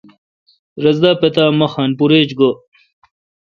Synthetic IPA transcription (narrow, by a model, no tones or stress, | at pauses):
ɾɐzd̪aːpet̪aːmɐxaːnpuɾeːt͡ɕɡo